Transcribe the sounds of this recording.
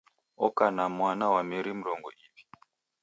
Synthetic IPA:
ɔkanamwanawameɾimuɾɔŋɡɔ̰ʔipi̥

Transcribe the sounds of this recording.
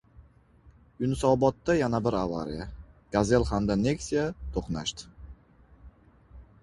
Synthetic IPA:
jʊnsɒbɒt̪ːajanabɪɾava̰ɾḭjaɡ̥aze̞lˠhamd̪ane̞ksijat̪ʰoχnaʃt̪ɪ̥

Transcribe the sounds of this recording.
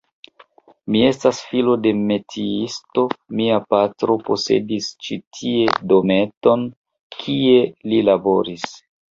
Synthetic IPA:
mie̞stasfilo̞de̞me̞tʰiisto̞miapatɾo̞po̞se̞̰dist͡ʃitʰie̞do̞me̞to̞n | kʰie̞lilabo̞ɾis

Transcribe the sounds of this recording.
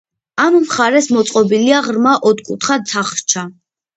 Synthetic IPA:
amːχaɾɛsmɔt̪sʼqʼɔbiliaʁɾmaʔɔt̪kʼut̪ʰχasʰaχt͡ʃʰa

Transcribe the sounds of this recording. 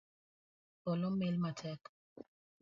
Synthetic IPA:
bɔlɔmelmatʰɛk

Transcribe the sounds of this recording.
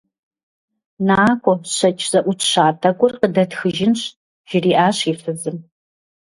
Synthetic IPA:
naːkʷʰɔɕɐt͡ʃʰʼz̥ɐʔʷʊtʰɕaːtʰɐɡʷʼʊrqədɐtxɨʒɪnɕ | ʒ̥ɪriːʔaːɕiːfɨzɨm

